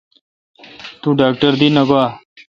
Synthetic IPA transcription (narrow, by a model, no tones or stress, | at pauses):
t̪uːɖaːk̚ʈəɾd̪inɐɡoaː